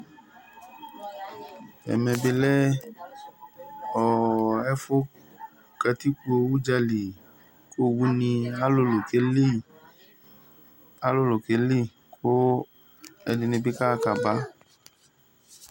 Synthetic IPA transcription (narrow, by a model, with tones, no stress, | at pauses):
ɛ̰˨mɛ̃˧be˧lɛ˦ | ɔ˨ɛ˦fo˦ | ka˧ti˦ko˧wu˦d͡ʒa˧li˨ | ko˦˨wu˦nĩ˧a˦lo˧˦lo˨ke˨˦le˦ | a˦lo˦˨lo˨ke˨˦li˦˨ | kʰo˦ | ɛ˧nĩ˧nĩ˧bi˦ka˦˧ka˨ba˨˦